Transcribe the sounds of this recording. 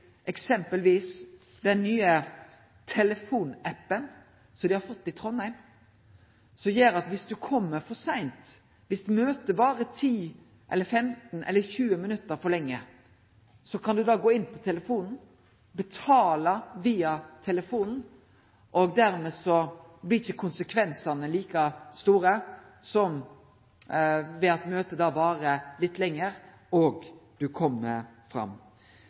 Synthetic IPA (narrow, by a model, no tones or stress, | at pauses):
ʔɛksɛmpəlʋiːs | d̪ɛnːyːə | t̪ʰɛləfuːnæpːən | sɔd̪ɪhɑɾfɔt̪ːɪt̪ʰɾɔnhæɪm | sɔmjeːɾɑt̪ʋɪsd̪ʉkʰɔmːəɾfɔsæɪnt̪ | ʋɪsd̪ʉmøːt̪əbɑːɾət̪ʰiː | ʔɛ̰lːəɾfɛmt̪nʔɛ̰lːəçʉːəmɪnʉt̪ːəɾfɔlɭɛŋːə | sɔkʰɑnd̪ʉd̪ɑːɡoːɪnːpʰɔt̪ʰɛləfuːnn̩ | bɛt̪ʰɑːləʋiːɑt̪ʰɛləfuːnn̩ | ʔɔɡd̪æɾmɛsɔ | blɪɾɪçəkʰʊnsəkʰʋɛnsɑnəliːkɑst̪uːɾə | sɔm | ʋɛɑt̪møːt̪əd̪ɑːbɑːɾəlɪt̪ːlɛŋːəɾ | ɔɡd̪̥ʉkʰɔmːəfɾɑ̰mː